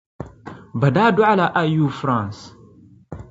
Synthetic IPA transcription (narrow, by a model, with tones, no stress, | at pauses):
ba˨da˦du˦ʕa˦la˨ʔa˦ju˨fɾã˨ns